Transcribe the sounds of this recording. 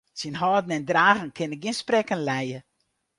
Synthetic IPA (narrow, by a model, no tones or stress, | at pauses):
sinɦɔdn̩ɛndraːɣən̩kʰɪnəɡiənsprɛkənlɛjə